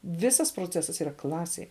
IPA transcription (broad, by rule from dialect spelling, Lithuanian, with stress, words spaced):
ˈʋʲɪsɐs proːˈt͡sʲæːsɐs iːˈrɐ ˈklˠɑːsʲeːj